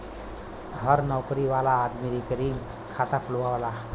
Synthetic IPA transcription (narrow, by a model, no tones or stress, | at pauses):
ɦəɾnɔwkɾiʋalaːd̪miɾikəɾiŋ | kʰat̪akʰulʋawala